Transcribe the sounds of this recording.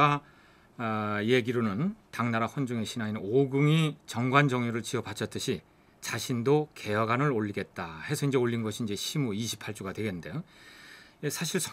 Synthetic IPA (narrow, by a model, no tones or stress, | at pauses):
a | je̞ɡiɾonɯntaŋnaɾaɸʌnd͡ʑuŋe̞ɕʰinainoɡuŋit͡ɕʌŋɡwand͡ʑʌŋɲjoɾɯɭt͡ɕiʌpat͡ɕʰʌt͈ɯɕʰi | t͡ɕaɕʰindokʰe̞jʌɡanɯɾoʎːiɡe̞t̚t͈ahe̞sʰʌind͡ʑe̞oʎːinɡʌɕʰiːnd͡ʑe̞ɕʰimuiɕʰi̥pʰaɭt͡ɕ͈uɡadwe̞ɡenːɯnde̞jo | esʰaɕʰiɭsʰ